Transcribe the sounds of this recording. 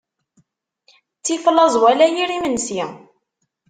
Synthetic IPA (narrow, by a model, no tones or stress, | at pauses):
t͡sːiflɑzˤwælæjiɾimənsi